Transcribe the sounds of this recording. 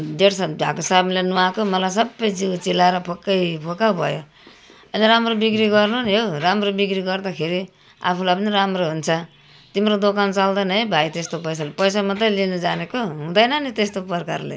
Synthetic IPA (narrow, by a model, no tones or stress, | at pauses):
deɽsaa̰kosablenuakomʌlajs̬ʌbːʌjd͡ziwt͡silaeɾʌpʰokːʌjpʰokawbʱʌ̰jo | ʌliɾamrobikɾiɡʌrnunɦoramrobikriɡʌrd̪akʰeɾi | a̰pʰulajp̬ʌniɾamroɦunt͡sʰʌ | t̪imɾod̪okant͡sald̪ʌnʌjbʱajt̪est̪opʌjsalepʌjsamʌt̪ʌlinʌd͡zanekoɦũd̪ʌjnʌnit̪est̪opʌrka̰rlḛ